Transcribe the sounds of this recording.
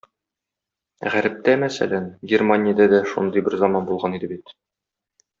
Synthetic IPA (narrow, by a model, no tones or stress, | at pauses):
ʁæɾɘ̆p̚t̪æmæsæ̰lænɡʲermanʲɪjad̪æd̪æʃṵnd̪ɤjbɘɾzɑmɑnbulˠʁɑnid̪ɘbit̪